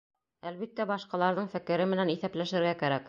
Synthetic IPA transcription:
ælβit̪ːæbɑʃqɑlˠɑɾðɤɴfɘ̆kɘ̆ɾɘmɘ̆næniθæplæʃɘ̆ɾɡækæɾæk

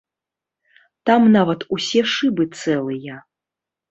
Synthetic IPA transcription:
t̪amnavɐt̪usʲɛʂɨbɨt̪sɛlˠɨjɐ

